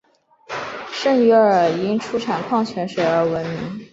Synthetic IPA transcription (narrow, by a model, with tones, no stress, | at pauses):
ʂə˥˩ŋɥɛ˧˥ə˞˨˩i˧˥ŋʈ͡ʂʰu˥ʈ͡ʂʰa˨˩nkʰwɑ˥˩ŋt͡ɕʰɥɛ˧˥nʂə˧˥ɪə˞˧˥wə˧˥nmi˧˥ŋ